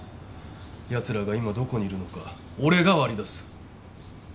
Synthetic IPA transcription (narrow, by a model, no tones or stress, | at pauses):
jat͡sɨɾaɡaimad̪o̞ko̞ɲ̟iːɾɯ̟no̞ka | o̞ɾe̞ɡaβaɾʲid̪asɨ̥